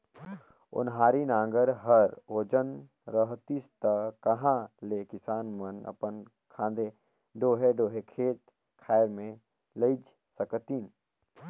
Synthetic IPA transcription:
ʊ̰nɦaːɾinãːŋɡəɾɦəɾoːd͡ʒən | ɾəɦt̪ist̪əkɐɦãlekɪsaːnmənɐ̰pən | kʰãːnd̪e | ɖoːɦeɖoːɦekʰeːʈ̚ | kʰaːɾmẽ | ləid͡ʒ | səkət̪iːn

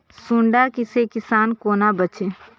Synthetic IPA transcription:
sũɳɖakɪsekɪsaːnkoːnabət͡ʃʰeː

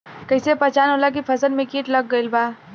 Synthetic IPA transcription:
kəjsepət͡ʃanɦolak̬ipʰəsənmẽkiːʈləɡːəilba

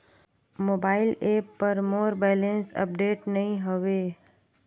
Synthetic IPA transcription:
moːbaːɪleːpːɐɾmoːɾbɛːlẽnsɐ̰p̚ɖeːʈnɐɦĩɦoʋeː

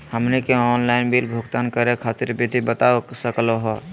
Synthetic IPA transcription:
həmnekeɔːnlaɪnbilbʱʊɡt̪aːnkəɾekʰat̪ɪɾbid̪ʱibət̪asəkloɦɔ

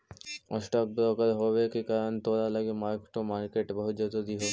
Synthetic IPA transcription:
ɔ̰ʃʈɔk̚bɾɔkaɾɦobekekaɾənt̪oɾalaɡemaɾkʈomaɾkeʈbɔɦud͡ʒɔt̪od̪iɦo

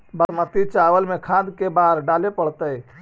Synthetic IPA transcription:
bəmət̪it͡ʃaʋəlmekʰãd̪kebaɾɖalepəɽt̪əj

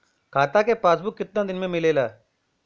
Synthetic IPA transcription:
kʰaːt̪akepaːsbʊkːɪt̪nad̪ɪnmẽmɪleːlaː

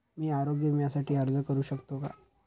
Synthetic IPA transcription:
miːaɾoɡjəmjasaʈʰiːəɾd͡zəkəɾuːɕəkt̪oka̰

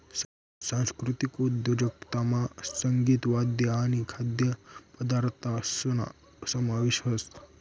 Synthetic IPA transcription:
sãnskɾut̪ikud̪jod͡ʒɐk̚t̪amasɐŋɡiːt̪ʋad̪jɐanikʰad̪jəpəd̪aɾt̪asna̰ | sɐmaʋeʃɦɐst̪

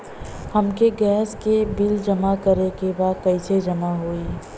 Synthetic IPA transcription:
həmkeɡɛːskebɪld͡ʒəmakəɾekebaːd̪̚kɐised͡ʒəmaɦoːi

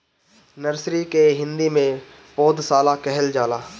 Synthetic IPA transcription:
nəɾsɾikeɦɪ̃nd̪imẽ | pɔːd̪saːlakɛɦɛld͡ʒaːlaː

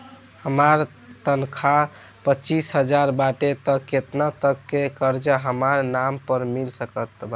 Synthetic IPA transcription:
həmaɾ | t̪ənkʰa | pət͡ʃisɦəd͡ʒaɾbaʈet̪əkːet̪nat̪əkːekəɾd͡ʒaɦəmaɾnampəɾmilsəkət̪ba

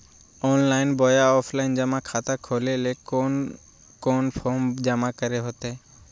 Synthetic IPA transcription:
ɔːnlaːɪnboːjaɔːpʰlaɪnd͡ʒəmakʰaːt̪akʰoːleːleː | koːnpʰoːmd͡ʒəmakəɾeɦot̪eː

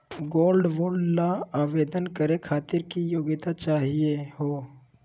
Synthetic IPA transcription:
ɡoːlɖʋoːɾɖnaaːʋeːd̪ənkəɾekʰaːt̪ɪɾkijoːɡɪt̪at͡ʃaːɦieɦoː

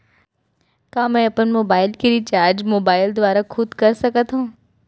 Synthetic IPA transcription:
kãːmɛ̃ɐpənmoːbaːɪlkeɾit͡ʃaːɾd͡ʒmoːbaːɪld̪ʋaːɾakʰʊd̪kɐɾsɐkət̪ɦũː

